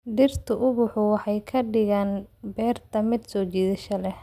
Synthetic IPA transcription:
d̪ɪrt̪ʰʊʔʊβʊħʊwɑħɑjkʰɐɖɪɣaːnbɛːrt̪ʰɐmɪd̪sɔːt͡ʃiːðɪʃɐlɛh

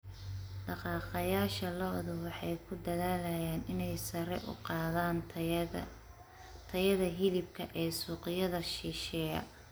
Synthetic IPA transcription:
ɖɑqɑːqɑjaːʃɐlɔːðʊwɑħɑjkʰʊd̪ɐðaːlɐjaːnɪnɛjsɐɾɛ̰ʔʊ̰qɑːðaːn | t̪ʰɐjɐðɐɦɪlɪb̚kʰɐʔɛːsuːqɪjɐðɐʃiʃɛːjɐ̰

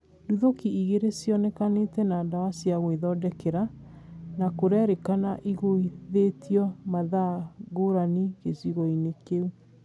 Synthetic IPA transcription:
duðokiiɣeɾesjɔnɛkanetɛnadawasiaɣoiðɔdɛkɛɾa | nakoɾɛɾekanaʔiɣoiðetiɔmaðaɣoɾaniɣesiɣɔinekeu

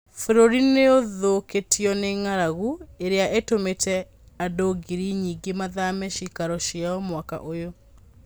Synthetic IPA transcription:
foɾoɾineoðoketiɔneŋaɾaɣueɾeaʔetometɛ | adoɡiɾiɲiːɡemaðamɛʃikaɾɔʃjaɔmwaka̰ʔojo

